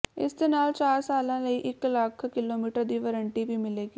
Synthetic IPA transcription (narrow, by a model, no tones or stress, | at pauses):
ɪ̰st̪enaːlt͡ʃaːɾsaːlãlɐiʔɪklaːkʰkɪloːmiːʈəɾd̪iʋəɾə̃ɳʈibʱimɪleːɡi